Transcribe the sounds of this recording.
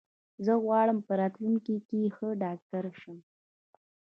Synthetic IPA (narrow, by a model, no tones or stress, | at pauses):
zəɣwɑɽəmpəɾɑt̪lunkikexəɖɑk̚ʈaɾʃəm